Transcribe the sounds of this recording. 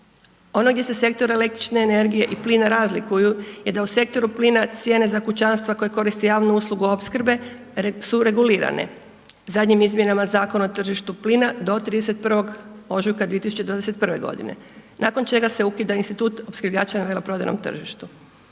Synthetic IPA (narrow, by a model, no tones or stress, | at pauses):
o̞no̞ɡd̪ʲjese̞se̞kt̪o̞ɾaelek̚t̪ɾit͡ʃne̞ːne̞ɾɡije̞ʔiplinaɾazlikujuje̞d̪ause̞k̚t̪o̞ɾupliːnat̪sje̞ːne̞zakut͡ʃanst̪ʋako̞jeko̞ɾist̪ejaːʋnuuslˠuɡuopskr̩be̞ | suɾe̞ɡuliːɾa̰nḛ | zad̪ɲimizmʲje̞namazaːkonaot̪r̩ʒiʃt̪uplinad̪o̞t̪ɾiːd̪eset̪̚pr̩ʋo̞ɡo̞ʒujkad̪iet̪isut͡ɕe̞d̪ʋaːd̪eset̪prʋe̞̰ɡo̞̰d̪ḭne̞̰ | naːko̞nt͡ʃe̞ɡase̞ukid̪ainst̪it̪uːt̪o̞pskɾ̩rʋʎaːt͡ʃanaʋelopɾo̞d̪a̰jno̰mt̪r̩ʒiʃt̪u